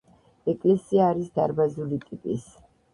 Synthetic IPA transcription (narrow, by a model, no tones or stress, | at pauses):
ɛkʼlɛsiaːɾisd̪aɾbazulit̪ʼipʼis